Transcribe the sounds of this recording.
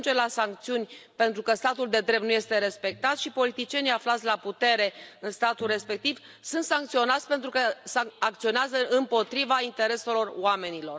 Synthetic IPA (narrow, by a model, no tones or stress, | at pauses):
nd͡ʒelasaŋk̚t̪siunʲpe̞nt̪ɾukəst̪at̪uld̪e̞d̪ɾe̞p̚t̪nuje̞st̪e̞ɾe̞spe̞k̚t̪at̪sʃipo̞lit̪it͡ʃie̞nijaflat̪sʲlaput̪e̞ɾe̞ɨnst̪at̪ulre̞spe̞k̚t̪iv | sunt̪saŋkt̪sio̞nat̪sʲpe̞nt̪ɾukəsaakt̪sio̞neazəʔɨmpo̞t̪ɾivaint̪e̞ɾe̞se̞lo̞rwame̞nilo̞r